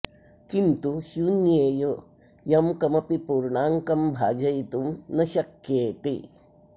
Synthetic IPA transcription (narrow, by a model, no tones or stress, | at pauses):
kint̪uʃjunjeːjo | jɐmkɐmɐpipuːɾɳaːŋkɐmbʱaːd͡ʒɐjt̪umnɐʃɐkjeːt̪ḭ